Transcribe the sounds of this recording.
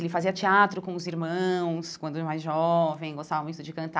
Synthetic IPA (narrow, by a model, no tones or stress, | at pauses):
elɪfaziɐt͡ʃiat̪ɾʊkõʊziɾmɐ̃w̃skwɐ̃nd̪ʊmajzʒɔvẽj̃ɡost̪avɐmũj̃t̪ʊd͡ʒɪkɐ̃nt̪